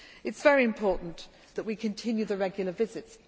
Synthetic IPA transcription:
ɨtsv̥ɛɹiɨ̃mpʰɔˑʔn̩ | ðəʔwikʰɨ̃ntʰɪ̃njʉðəɹɛɡjl̩ˠəvɪzɪts

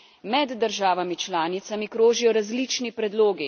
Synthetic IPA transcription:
mɛd̪ːəɾʒaːʋamit͡ʃlaːnit̪samikɾoːʒijɔɾazlit͡ʃnipɾɛd̪loːɡi

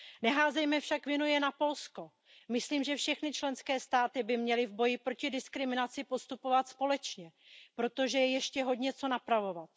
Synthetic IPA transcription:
nɛɦaːzɛjmɛfʃakvjɛnujɛnapo̞lsko̞ | mɪsliːmʒɛfʃɛxnɪt͡ʃlɛnskɛːst̪aːt̪ɪbɪmɲɛlɪvbo̞jɪpɾo̞cɪdɪskɾɪmɪnat͡sɪpo̞st̪upo̞vat̪spo̞lɛt͡ʃɲɛ | pɾo̞t̪o̞ʒɛjɛjɛʃcɛɦo̞d̪ɲɛt͡so̞napɾavo̞vat̪̚

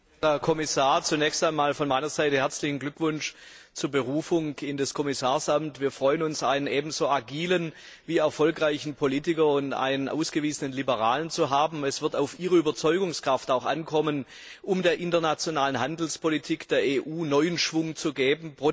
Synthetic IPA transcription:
ɛɐkʰɔmɪsaːɐt͡sunɛːçstaɪnmaːlfɔnmaɪnɐzaɪtəhɛɐt͡slɪçn̩ɡlʏkv̥ʊnʃt͡suːɐbəʁuːfʊŋɪndɐskʰɔmɪsaːɐsamtviːɐfʁ̥ɔʏənʊnsʔaɪnənʔeːbm̩zoːʔaɡiːlən | viːɛɐfɔlkʁaɪçn̩pʰoliːtɪkɐʊntʔa̰ɪnənʔa̰ʊsɡ̥əviːzənənlibəʁaːlənt͡suɦaːbm̩ɛsv̥ɪɐtaʊfʔiːʁəyːbɐt͡sɔʏɡʊŋskʁ̥aftaʊxʔa̰nkʰɔmən | ʔʊmdeːɐʔɪntɐnat͡sjonaːlənɦandl̩spʰolitʰiːkd̥eːɐeːʔuːnɔʏənʃv̥ʊŋt͡suɡeːbm̩pʁo

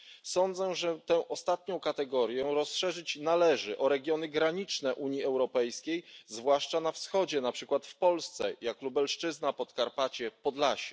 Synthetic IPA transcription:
sɔnd̪zɛʐɛt̪ɛ̃wʔɔst̪at̪̚ɲɔ̃w̃kat̪ɛɡɔɾjɛɾɔsʂɛʐɘt͡ɕnalɛʐɘʔɔɾɛɡʲjɔnɘɡɾaɲit͡ʂnɛʔuɲiɛwɾɔpɛjskʲejzvwaʂt͡ʂanafsxɔd͡ʑɛnapʂɘkwat̪fpɔlst̪sɛjaklubɛlʂt͡ʂɘznapɔt̪kaɾpat͡ɕɛpɔd̪laɕɛ̥

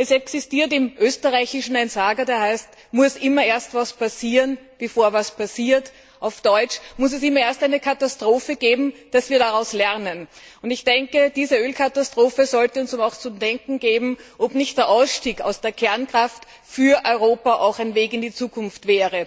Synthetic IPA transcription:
ʔɛsɛksɪstiːɐt̬ɪmʔøːstəʁaɪçɪʃn̩aɪnzaːɡɐdeːɐhæɪst | mʊsʔɪmɐeːɐstvaspasiːʁən | b̥efoːɐvaspʰasiːɐt | ʔaʊfd̥ɔʏt͡ʃmʊs̬ɛsɪmːɐeːɐstæɪnəkʰatastʁ̥oːfəɡ̥eːbm̩d̥asv̥iːɐɾaʁaʊslɛɐnənʊndɪçd̥ɛŋkəd̥iːzəøːlkʰatastʁ̥oːfəzɔltəʊnsʊmaʊxt͡sʊmdɛŋkŋ̩ɡeːbm̩ʔopnɪçt̚d̥eːɐʔaʊsʃtiːka̰ʊsd̥eːɐkʰɛɐnkʁ̥aft | fyːɐʔɔʏʁoːpaʔaʊxæɪnveːkɪndit͡suːkʰʊnftv̥ɛːʁə

